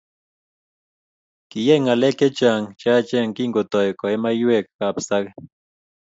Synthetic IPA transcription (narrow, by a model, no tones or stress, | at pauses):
kijeŋaleket͡ʃaŋt͡ʃat͡ʃeŋkiŋkot̪ojkoemajuekkapsak